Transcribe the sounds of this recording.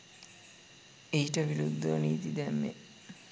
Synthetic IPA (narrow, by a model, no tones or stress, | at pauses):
ejiʈəʋiɾud̪ːoniːt̪id̪æmːe